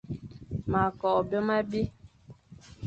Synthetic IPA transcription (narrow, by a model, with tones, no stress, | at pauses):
ma˨kɔ˨bjɔ˦ma˦bi˦